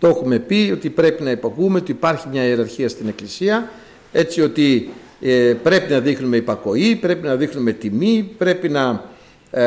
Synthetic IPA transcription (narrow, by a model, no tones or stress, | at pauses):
t̪ooxume̞pio̞t̪ipɾe̞pinɐipɐkumeot̪iːpɐɾçimɲɐeɾɐɾçiɐst̪ine̞klisiɐ | e̞t͡sio̞t̪i | pɾe̞pinɐðixnume̞ipɐko̞ipɾe̞pinɐðixnume̞t̪imipɾe̞pinɐ